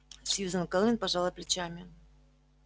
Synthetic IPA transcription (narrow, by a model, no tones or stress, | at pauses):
sʲjuzənkəlˠmʲɪnpaʐɑlˠʊjplʲɪt͡ɕamʲɪ